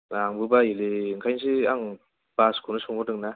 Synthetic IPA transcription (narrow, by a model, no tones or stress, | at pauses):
aŋbɯbaileŋkʰajns̬iaŋ | b̥askʰunɯsɔŋbɯdɯŋna